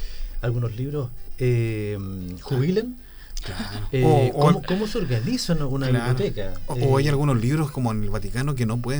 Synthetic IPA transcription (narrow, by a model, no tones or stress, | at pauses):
alɣunosliβɾosemxuβilen | klaɾookmokomoseoɾɣanisanunaiialot̪ekaoajalɣunosliβɾoskomoenelβat̪ikanok̬enop̬weðe